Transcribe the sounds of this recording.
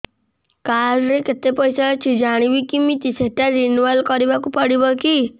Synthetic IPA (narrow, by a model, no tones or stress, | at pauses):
kaɾɾeket̪epɔjsat͡ʃʰid͡ʒaɽ̃ibikimit̪iseʈaɾinualkɔɾibakupɔɽibɔki